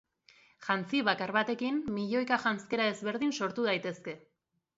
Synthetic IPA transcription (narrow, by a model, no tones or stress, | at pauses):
ʝant͡siβakaɾβat̪e̞kimːiʎo̞jkaʝant͡ske̞ɾae̞zβe̞ɾðinso̞ɾt̪uðajt̪e̞ske̞